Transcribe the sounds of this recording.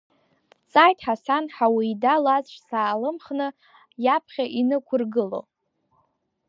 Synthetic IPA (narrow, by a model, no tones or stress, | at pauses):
t͡sʼajtʼħasanħawiːdalazʃʷsaːlɨmχnɨ | japʰχʲaʔinɨkʷʰʊrɡɨlo̰